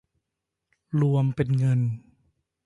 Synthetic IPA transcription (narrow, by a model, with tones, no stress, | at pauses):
lu˧əmpe˧nŋɤ˧n